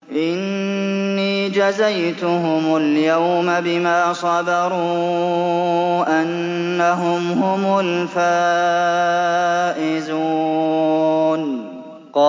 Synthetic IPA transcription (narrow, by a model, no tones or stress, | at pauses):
ʔɪnː | iːd͡ʒazajt̪ʊɦʊmʊljawmabɪmaːsˤɑdɑɾˤuː | ʔanː | aɦʊmhʊmʊlfaː | ʔɪzuː | n | qɑː